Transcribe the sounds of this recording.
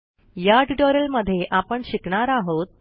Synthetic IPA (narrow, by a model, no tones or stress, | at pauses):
jaʈiʈoɾəlməd̪ʱːjeʔapəɳɕikɳaɾaɦot̪̚